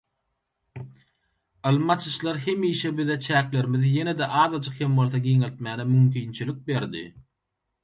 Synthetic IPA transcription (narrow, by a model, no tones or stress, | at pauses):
ɯlˠɯmɑt͡ʃʰɯʃlˠɑɾɦe̞miːʃebiðet͡ʃʰæːkle̞ɾmiðije̞ne̞d̪eʔɑːðɑd͡ʒɯqhe̞mbo̞lˠθoɡiːŋelʲt̪̚mæːnemymkʰiːnt͡ʃʰilik̚be̞ɾd̪ḭ